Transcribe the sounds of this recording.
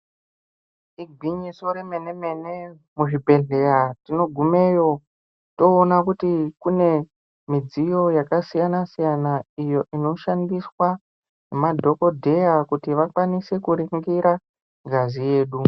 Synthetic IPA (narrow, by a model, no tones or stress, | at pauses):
iɡʱiɲiso̞ɾeme̞ne̞me̞ne̞ | muʐibʱe̞ɮe̞ɾatino̞ɡʱume̞jo̞ | to̞ːnakutikune̞ | mid͡zijo̞jakasijanasijanaijo̞ʔino̞ʃandiswa | nemadʱo̞ko̞dʱe̞jakutiʋakwanise̞kuɾiŋɡiɾa | ɡʱazije̞ːɗu